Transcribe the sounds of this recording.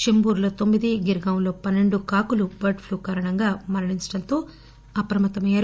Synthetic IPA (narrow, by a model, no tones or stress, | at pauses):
ʃembuːɾlo̞ːt̪o̞mːid̪iɡiɾɡawnlo̞ːpɐnːe̞ɳɖukaːkulubɐɾʈpʰluːkaːɾɐɳɐŋɡaːmɐɾɐɳiɲt͡ʃɐ̥ɽɐnt̪o̞ː | ɐpɾɐmɐt̪ːɐmɐjaːɾu